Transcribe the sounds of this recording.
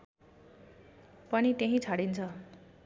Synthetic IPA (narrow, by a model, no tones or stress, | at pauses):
pʌnit̪eɦĩt͡sʰaɽint͡sʰʌ